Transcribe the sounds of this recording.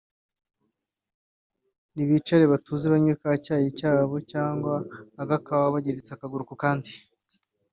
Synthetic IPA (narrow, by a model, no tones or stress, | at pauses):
niβiːt͡ʃaɾeβatuːzeβaɲuɾkacaːjicaːβo̞caːŋɡwaːɡakaβaaβaɟeɾet͡seakaɡuɾukukaːndi